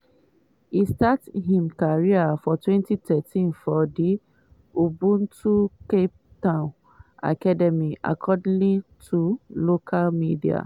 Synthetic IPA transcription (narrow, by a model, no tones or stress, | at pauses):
istathĩmkaɹiafɔtwɛ̃ntitʰɛtĩnfɔde | ubũntukep̚tãʊ̃n | a̰kadɛmiʔa̰kʰɔdĩlitʰulokʰalmidia̰